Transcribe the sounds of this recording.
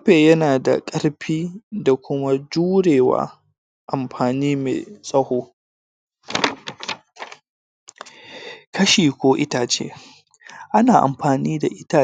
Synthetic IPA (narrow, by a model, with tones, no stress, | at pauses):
ɸeː˨jɐ˦naː˨da̰˨kʼɐ˦ɽɸiː˦da˨kʷʊ˦ma˦d͡ʒuː˦ɽeː˨wa̰ː˦ | ʔa˨mɸʰaː˨niː˦mḛː˨sʼɐ˦hoː˦ | kɐ˦ʃiː˨kʷoː˦ʔɪ˦ta˦t͡ʃḛː˦ | ʔa˦naː˨ʔa̰˨mɸaː˨niː˦da˨ʔɪ˦ta˦